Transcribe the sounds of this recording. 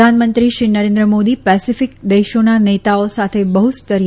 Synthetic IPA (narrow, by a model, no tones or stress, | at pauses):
anmənt̪ɾiʃɾinəɾẽnd̪ɾəmod̪ipɛsifɪk̚d̪eʃonanet̪aosat̪ʰebəɦust̪əɾi